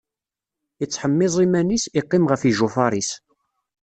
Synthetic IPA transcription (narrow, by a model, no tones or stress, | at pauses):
ət͡sːħəmːɪzˤimænisiqːɪmʁəfiʒʊfɑɾˤis